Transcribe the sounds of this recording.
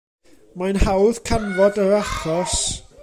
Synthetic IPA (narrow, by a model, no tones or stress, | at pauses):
majnhawð̥kʰanvɔdəɾaχɔs